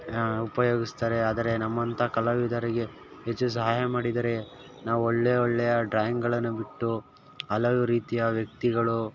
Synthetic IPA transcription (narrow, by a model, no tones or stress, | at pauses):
upɐjoːɡist̪aːɾe̞aːd̪ɐɾe̞nɐmːɐnt̪ʰɐkɐlɐʋid̪ʱɐɾiɡe̞ | ɦet͡ʃːus̬ɐɦaːjɐmaːɽid̪ɐɾe̞ | naːʋuoɭːeoɭːɛjɐɖɾaːjɐŋɡɡɐɭɐnːubiʈːu | ɐlɐʋuɾiːt̪ijɐʋjɐk̚t̪iɡɐɭu